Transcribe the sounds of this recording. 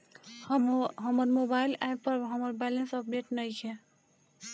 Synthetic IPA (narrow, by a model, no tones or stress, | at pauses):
ɦʌmʌɾmobailɛpːʌɾɦʌmʌɾbɛlensʌp̚ɖeʈnəjkʰe